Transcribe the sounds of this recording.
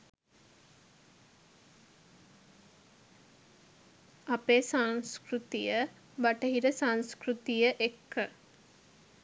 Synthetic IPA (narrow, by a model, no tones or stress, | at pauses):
apeːsaŋskɾut̪ijə | baʈəɦiɾəsaŋskɾut̪ijəʔekːə